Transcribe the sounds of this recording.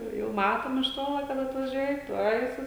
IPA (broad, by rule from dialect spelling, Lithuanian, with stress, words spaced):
ˈjɛʊ jɛʊ ˈmɑːtoːm ɪʃ ˈtoːlˠɐ kɐt ɐtʋɐˈʒʲuɔjɛ ˈtuɔj sʊ